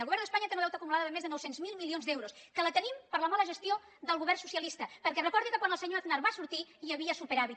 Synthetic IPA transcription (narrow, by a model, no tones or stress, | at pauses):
əlˠɣuβɛɾnd̪əspaɲət̪enoβɛwt̪əkumulaðəəmezðənɔwsenzmilˠmilionzd̪ewɾoskələt̪ənimpəɾləmaləʒəst̪ijo | d̪əlˠɣuβɛɾrnsusiəlist̪əpəɾkɛrəkɔɾðikəkwanəlˠsəɲoəðnaɾβasuɾt̪iiəβiəsupəɾaβi